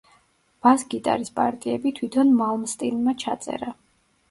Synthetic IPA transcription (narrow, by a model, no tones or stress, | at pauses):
b̥asɡit̪ʼa̰ɾispʼa̰ɾt̪ʼiɛbit̪ʰwit̪ʰɔnmalˠmst̪ʼinmat͡ʃʰat̪sʼɛ̰ɾa